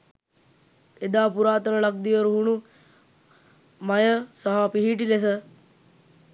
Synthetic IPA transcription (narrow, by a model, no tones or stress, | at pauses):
ed̪aːpuɾaːt̪ənəlak̚d̪iəɾuɦunu | majəsaɦapiɦiːʈiles̬ə